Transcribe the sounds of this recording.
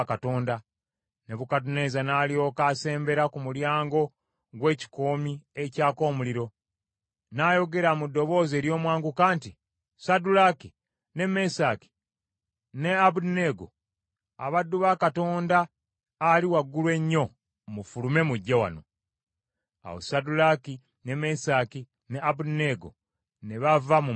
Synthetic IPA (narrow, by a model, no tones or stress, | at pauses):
kato̞ːnda | ne̞βukat̬une̞zanaːlio̞kaːse̞ːmbe̞ɾakumuljaːŋɡo̞ | ɡwe̞ːci̥ko̞ːmiecaːko̞ːmuliɾo̞ | naːjo̞ɡe̞ɾamudːo̞βo̞ːze̞ːɾjo̞ːmwaːŋɡukaːnti | sadulaki | ne̞me̞saki̥ | ne̞aβune̞ɡo | a̰βadːuβakato̞ːndaː | liwaɡːulwe̞ɲːo̞ | mufulume̞muɟːewa̰no̞̰ | a̰wo̰sadulaki | ne̞mesaːki | neaβuneɡo̞̰ | neβavamu